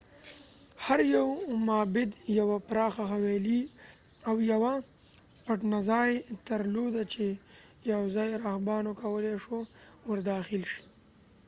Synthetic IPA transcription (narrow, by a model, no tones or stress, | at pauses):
haɾjawmaːbɪd̪jawapɾɑːxaxaweliawjawa | paʈnazɑːjt̪aɾlod̪at͡ʃejawzɑːjɾaxbɑːnokawəleʂowaɾd̪ɑːxɪlʃi̥